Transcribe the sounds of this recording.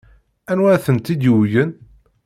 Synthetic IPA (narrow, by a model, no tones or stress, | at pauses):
ænwæθənt̪id̪jəwjən